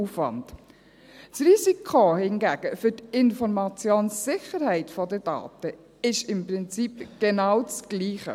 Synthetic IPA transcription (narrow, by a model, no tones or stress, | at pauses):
uːfʋɑ̰nd̥ | sriːsikʰohɪnɡæːɡ̥əfʏtɪnfɔɾmɑt͡sjoːnsːɪχəɾhɛɪtfɔdəd̥ɑ̰ːtə | ɪʃɪmprɪnt͡sipɡ̥ɛnawt͡sɡ̥liːχə̰